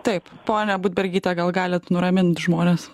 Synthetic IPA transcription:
t̪ɐɪppoːnʲɛbuːd̪ʲbʲɛɾʲɡʲiːt̪ʲɛɡɐlˠɡɑːlʲɪt̪nʊɾɐmʲɪnt̪ʒmoːnʲeːs

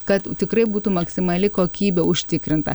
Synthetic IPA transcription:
kɐt̪t̪ʲɪkrɐɪbuːt̪umɐksʲɪmɐlʲɪkoːkʲiːbʲeʊʃʲt̪ʲɪkɾʲɪnt̪ɐ̰

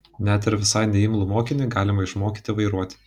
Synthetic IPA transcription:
nʲɛt̪ɪɾʋʲɪsɑɪnʲɛɪmlˠʊmoːkʲɪnʲɪɡɑːlʲɪmɐɪʃmoːkʲit̪ʲɪʋɐɪɾuɔt̪ʲɪ̥

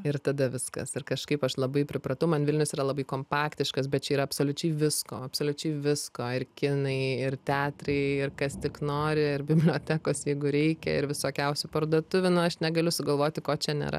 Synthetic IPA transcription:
ɪɾt̪ɐd̪ɐʋʲɪskɐ̰sɪrkɐʃkɐɪpɐʃlˠɐbɐɪpʲɾʲɪpɾɐt̪ɐʊmɐnʋʲɪlʲnʲʊsiːɾɐlˠɐbɐɪkoːmpɑːkt̪ʲɪʃkɐs̬bʲɛt̚t͡ʃʲɛiːɾɐpsoːlʲʊt͡ʃʲɛɪʋʲɪskoːɐpsoːlʲʊt͡ʃʲɛɪʋʲɪskoːɪrkʲɪnɐɪɪrt̪ʲæːt̪rɐɪɪrkɐst̪ʲɪknoːɾʲɪɪɾbʲɪbʲlʲoːt̪ʲæːkoːsjɛɪɡʊɾʲɛɪkʲɛ̰ɪɾʋʲɪsoːkʲɛʊsʲʊpɐrd̪uɔt̪ʊʋʲʊnʊɐʃnʲɛɡɐlʲʊsʊɡɐlˠʋoːt̪ʲɪkoːt͡ʃʲɛnʲḛɾɐ̰

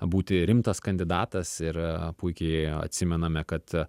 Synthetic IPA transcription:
buːt̪ʲɪɾʲɪmt̪ɐskɐnʲd̪ʲɪd̪ɑːt̪ɐsɪɾpʊɪkʲɛɪɐ̰t̪ʲsʲɪmʲɛnɐmʲɛkɐt̪

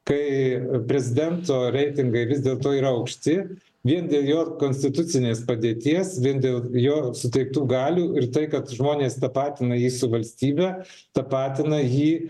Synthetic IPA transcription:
kɐɪpʲɾʲɛzʲɪd̪ʲɛnt̪oːɾʲɛɪt̪ʲɪŋɡɐɪʋʲɪsd̪ʲeːlˠt̪oːiːɾɐɐʊkʃʲt̪ʲɪ | ʋʲiɛnd̪ʲeːlˠjoːkoːnʲsʲt̪ʲɪt̪ʊt̪sʲɪnʲeːspɐd̪ʲeːt̪ʲiɛsʋʲiɛnd̪ʲeːlˠjoːsʊt̪ʲɛɪk̚t̪uːɡɑːlʲuːɪrt̪ɐɪkɐt̪ʒmoːnʲeːst̪ɐpɑːt̪ʲɪnɐjiːsʊʋɐlʲsʲt̪ʲiːbʲæ | t̪ɐpɑːt̪ʲɪnɐjiː

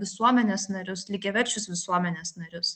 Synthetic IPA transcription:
ʋʲɪsuɔmʲɛnʲeːsnɐɾʲʊslʲɪɡʲɛʋʲɛɾʲt͡ʃʲʊsʋʲɪsuɔmʲɛnʲeːsnɐɾʲʊs

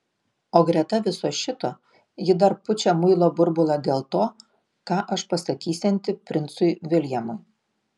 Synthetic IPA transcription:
oːɡɾʲɛt̪ɐʋʲɪsoːʃʲɪt̪oː | jɪd̪ɐɾpʊt͡ʃʲɛmʊɪlˠoːbʊɾbʊlˠɑːd̪ʲeːlˠt̪oː | kɑːʔɐʃpɐst̪ɐk̪ʲiːsʲɛnʲt̪ʲɪpʲɾʲɪnt̪sʊɪʋʲɪlʲjɛmʊɪ

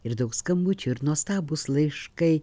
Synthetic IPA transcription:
ɪɾd̪ɐʊkskɐmbʊt͡ʃʲʊɪɾnuɔst̪ɑːbʊslˠɐɪʃkɐɪ

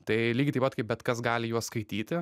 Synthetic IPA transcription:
t̪ɐɪlʲiːɡʲɪt̪ɐɪpɐt̪kɐɪp̚bʲɛt̪kɐsɡɑːlʲɪjuɔsskɐɪt̪ʲiːt̪ʲɪ

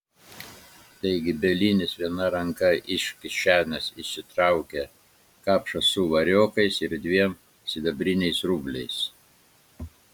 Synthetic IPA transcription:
t̪ɐɪɡʲɪbʲɛlʲinʲɪsʋʲiɛnɐɾɐŋkɐʔɪʃʲkʲɪʃʲæːnʲɛsɪʃʲsʲɪt̪ɾɐˑʊkʲɛ | kɑːpʃɐsʊʋɐɾʲoːkɐɪsɪɾd̪ʲʋʲiɛm | sʲɪd̪ɐbʲɾʲɪnʲɛɪsɾuːbʲlʲɛɪs

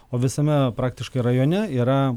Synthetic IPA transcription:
oːʋʲɪsɐmʲɛpɾɑːk̚t̪ʲɪʃkɐɪɾɐjoːnʲɛiːɾɐ

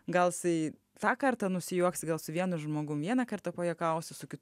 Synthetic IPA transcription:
ɡɐlˠsɐɪ | t̪ɑːkɐrt̪ɐnʊsʲɪjuɔksʲɡɐlˠsʊʋʲiɛnʊʒmoːɡʊmʋʲiɛnɐkɐrt̪ɐpoːjɛkɐʊsʲɪsʊkʲɪt

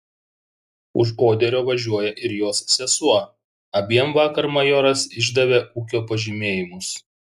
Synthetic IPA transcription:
ʊʃ̬oːd̪ʲɛɾʲoːʋɐʒʲuɔjɛʔɪɾjoːsːʲɛsuɔ | ɐbʲiɛmʋɑːkɐɾmɐjoːɾɐsɪʒd̪ɐʋʲeːʔuːkʲoːpɐʒʲimʲeːjɪmʊs

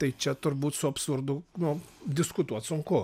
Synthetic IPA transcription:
t̪ɐɪt͡ʃʲɛt̪ʊrbuːt̪sʊɐpsʊrd̪ʊnʊd̪ʲɪskʊt̪uɔt̪sʊŋkʊ

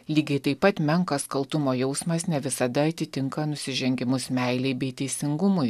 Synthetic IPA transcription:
lʲiːɡʲɛɪt̪ɐɪpɐt̪mʲɛŋkɐskɐlˠt̪ʊmoːjɛʊsmɐsnʲɛʋʲɪsɐd̪ɐɐt̪ʲɪt̪ʲɪŋkɐnʊsʲɪʒʲɛŋʲɡʲɪmʊsmʲɛɪlʲɛɪbʲɛɪt̪ʲɛɪsʲɪŋɡʊmʊɪ

